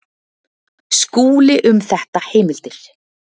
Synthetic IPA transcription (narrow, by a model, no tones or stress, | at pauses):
skuːlɪʔʏmθɛht̪aheːjmɪl̥t̪ɪɾ̥